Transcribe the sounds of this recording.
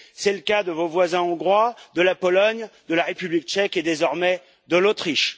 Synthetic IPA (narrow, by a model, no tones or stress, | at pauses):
sɛləkad̪əvovwazɛ̃ɔ̃ɡʁwad̪əlapɔlɔɲd̪əlaʁepyblik̚t͡ʃɛked̪ezɔʁmɛ | d̪əlot̪χiʃ